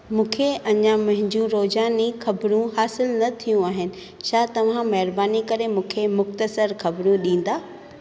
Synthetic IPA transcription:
mũːkʰeɐɲãmɐ̃ɦɪ̃ɲd͡ʑũɾoːzaːnixɐbɾũɦaːsɪlnɐt̪ʰijũaːɦɪnɪ̆ | t͡ɕʰaːt̪ɐʋ̤ãmɐɦɪɾbaːnikɐɾemũːkʰemʊxt̪əsəɾxɐbɾũɗĩːn̆d̪aː

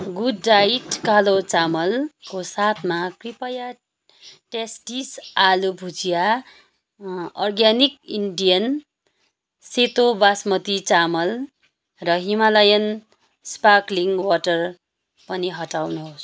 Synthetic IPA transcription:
ɡudːaiʈkalot͡samʌlkosat̪ʰmakripʌja | ʈesʈisalubʱut͡sija | ʌrɡjanikiɳɖijʌn | set̪obasmʌt̪it͡samʌl | rʌɦimalʌjʌn | spakliŋwaʈʌr | pʌniɦʌʈawnuɦos

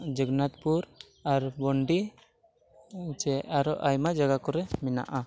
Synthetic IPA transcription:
d͡ʒəɡnat̪puɾ | aɾbɔɳɖi | t͡ʃɛaɾɔʔajmad͡ʒaɡakɔɾɛmina̰ʔa

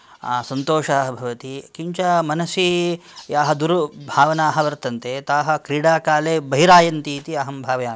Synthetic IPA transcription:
sɐnt̪oːʂɐːɦɐbʱɐʋɐt̪ikiɲt͡ʃɐmɐnɐsijaːɦɐd̪uɾubʱaːʋɐnaːɦɐ̆ʋɐɾt̪ɐnt̪eːt̪aːɦɐ̆kɾiːɽaːkaːleːbɐɦiɾaːjɐnt̪iːt̪iɐɦɐmbʱaːʋɐjaː

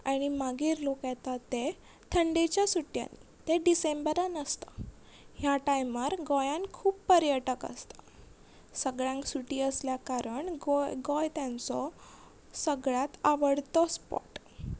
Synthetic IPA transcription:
aɽ̃imaɡiːɾlokjɛt̪at̪e | t̪ʰəɳɖet͡ɕjasuʈja̰nːḭ | t̪eɖisembəɾanəst̪a | ɦjaʈajməɾɡɔjãnkʰuːppəɾjəʈəkə̰st̪ḁ | səɡɭjãŋksuʈiːəsljakaɾəɳɡɔjɡɔjt̪jãnt͡sɔ | səɡɭjat̪aʋəɽt̪ɔspɔ̰ʈ

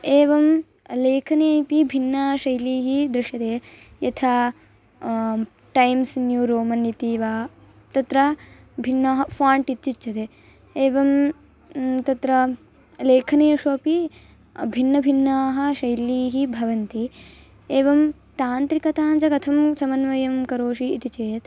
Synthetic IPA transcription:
eːʋɐm | leːkʰɐneːpibʱinːaːʃɐjliːɦid̪ɾɪʂjɐt̪eː | jɐt̪ʰaː | ʈɐjmsnjuɾoːmɐnːit̪iːʋaː | t̪ɐt̪ɾɐ | bʱinːaːɦɐfaːɳʈit͡ʃt͡ʃit͡ʃt͡ʃːɐt̪eː | eːʋɐm | t̪ɐt̪ɾɐ | leːkʰɐneːʂoːpi | bʱinːɐbʱinːaːɦɐ̆ʃɐjliːɦibʱɐʋɐnt̪i | eːʋɐm | t̪aːnt̪ɾikɐt̪aːnt͡ʃɐkɐt̪ʰɐmsɐmɐnʋɐjɐmkɐɾoːʂiːt̪it͡ʃeːjɐt̪

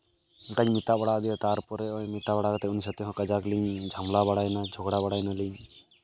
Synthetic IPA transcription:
kaɲmit̪abaɽad̪ɛt̪aɾpɔɾɛɔjmit̪abaɽakt̪ɛunis̬ət̪ɛɦɔ̃kəd͡ʒakliɲd͡ʒʱamlabaɽajnad͡ʒʱɔɡɽabaɽajnaliɲ

